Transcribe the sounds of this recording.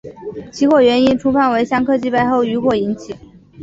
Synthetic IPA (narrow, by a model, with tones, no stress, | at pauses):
t͡ɕʰi˧˥xwɔ˥˩ɥɛ˧˥ni˥nʈ͡ʂʰu˥pʰa˥˩nwe˧˥ɪɕjɑ˥ŋkʰɤ˥˧t͡ɕi˥˧pa˥˧ɪxo˥˩ʊy˧˥xwɔ˥˩i˧˥nt͡ɕʰi˨˩˦